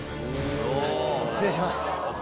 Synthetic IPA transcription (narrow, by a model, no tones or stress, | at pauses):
seɕimas